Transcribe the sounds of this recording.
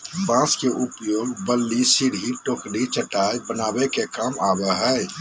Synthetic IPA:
pãskeʔupjoːɡbəlːisiɾɦiʈokɽit͡ʃəʈajbənabekekamaːbɛɦəe

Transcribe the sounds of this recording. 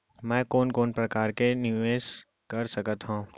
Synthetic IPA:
mɛ̃ːkoːnkoːnpɾɐkaːɾkenɪʋeːʃ | kɐɾsɐkət̪ɦũː

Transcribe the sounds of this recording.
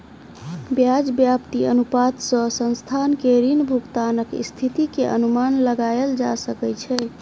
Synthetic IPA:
bjad͡ʒbjapt̪iənupat̪sə̃sə̃nst̪ʰankeɾinbʱuɡt̪anəkḭst̪ʰit̪ikeʔə̰numanləɡajeld͡ʒa̰səkɛt͡ʃʰɛ

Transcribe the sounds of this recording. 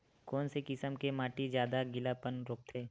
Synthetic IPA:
kɔːnsekɪsəmkemaːʈizjaːd̪aɡɪlapənɾoːk̚t̪ʰeː

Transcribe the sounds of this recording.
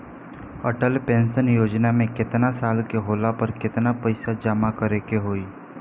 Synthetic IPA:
əʈəlpẽːnsənjoːd͡ʒnamẽkɪt̪nasaːlkeɦoːlapəɾkɪt̪napɐɪsad͡ʒamakəɾekeɦoːiː

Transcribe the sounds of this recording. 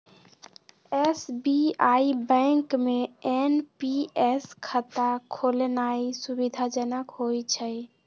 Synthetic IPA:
esbiaibɛ̃ŋkmeenpieskʰət̪akʰolenaisubid̪ʱad͡ʒənəkɦojt͡ʃʰəj

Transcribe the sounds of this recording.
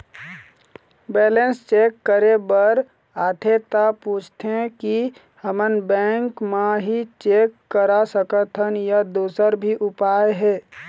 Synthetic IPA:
bɛːlenst͡ʃeːkːəɾebəɾ | aːt̪ʰet̪aput͡ʃʰt̪ʰeẽki | həmənbɛ̃ːŋkmaɦit͡ʃekːəɾasəkət̪ʰənjad̪uːsəɾbʱiʔʊpaːeɦɛː

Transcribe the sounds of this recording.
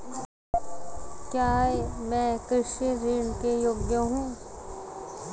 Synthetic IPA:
kjaːemɛ̃ːkɾɪʃiɾiːɳkejoːɡjəɦũː

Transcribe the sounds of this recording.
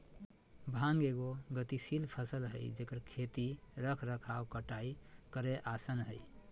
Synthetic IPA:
bʱãŋɡeɡoɡət̪isilpʰəsəlɦə̰jd͡ʒekəɾkʰet̪iɾəkʰɾəkʰawkəʈaikəɾeʔasənɦəj

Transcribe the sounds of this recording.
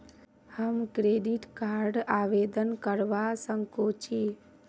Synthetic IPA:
həmkɾeɖiʈkaɾɖaʋed̪ənkəɾʋasəŋkot͡ʃʰi

